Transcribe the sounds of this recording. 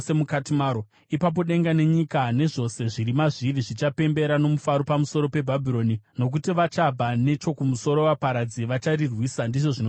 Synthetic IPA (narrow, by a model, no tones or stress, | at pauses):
semukatimaːɾo | ipap̬o̞ɗe̞ŋɡane̞ɲikane̞ʐo̞se̞ʐiɾimaʐiriʐit͡ʃape̞mbe̞ɾano̞mufaɾo̞pamuso̞ɾo̞pe̞bʱabʱiɾo̞nino̞k̬utiʋat͡ʃabʱane̞t͡ʃo̞kumuso̞ɾo̞wapaɾad͡ziʋat͡ʃarirwiːsandiʐoʐino